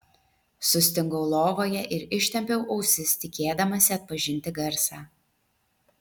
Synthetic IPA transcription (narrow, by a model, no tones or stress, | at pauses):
sʊsʲt̪ʲɪŋɡɔʊlˠoːʋoːjɛʔɪɾɪʃʲt̪ʲɛmʲpʲɛʊʔɐʊsʲɪst̪ʲɪkʲeːd̪ɐmɐsʲɪɐt̪̚pɐʒʲɪnʲt̪ʲɪɡɐɾsɑː